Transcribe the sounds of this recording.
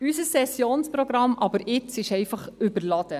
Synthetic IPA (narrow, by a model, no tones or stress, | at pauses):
ysəsːɛsjoːnspɾɔɡɾɑmʔɑbəɾɪt͡sɪʃɛɪfɑχʏbəɾlɑd̥̪ə